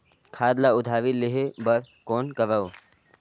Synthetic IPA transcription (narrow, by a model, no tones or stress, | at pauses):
kʰaːd̪laʊd̪ʱaːʋileɦebɐɾkoːnkɐʋəw